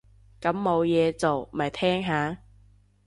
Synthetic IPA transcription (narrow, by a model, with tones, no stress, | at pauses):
kɐ˨˥mːo˨˧wjɛː˨˧t͡so˨wmɐ˨˩jt̪ʰɛː˥ŋɦaː˨˧